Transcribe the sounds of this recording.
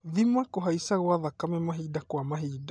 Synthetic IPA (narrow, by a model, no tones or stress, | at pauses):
ðimakoɦaisaɣwaðakamɛmaɦidakwamaɦiːda